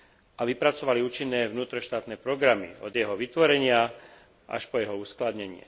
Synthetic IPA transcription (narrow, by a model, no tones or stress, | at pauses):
ʔaʋipɾat͡sɔʋaliuːt͡ʃinːɛːʋnuːt̪ɾɔʃt̪aːt̪nɛːpɾɔɡɾamḭɔd̪jɛɦɔʋit̪ʋɔɾɛɲɪa | ʔa̰ʃpɔjɛɦɔuːsklad̪ɲɛɲɪɛ̰